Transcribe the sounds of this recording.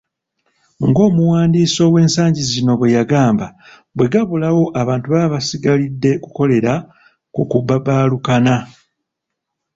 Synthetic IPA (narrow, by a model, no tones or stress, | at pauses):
ŋɡo̞ːmuwaːndiːso̞ːwe̞ːnsaːɲɟizino̞βwe̞jaɡaːmba | bwe̞ɡaβulawo̞ʔaβaːntuβaβasiɡalidːe̞kuko̞le̞ɾa | kukubabaːlukana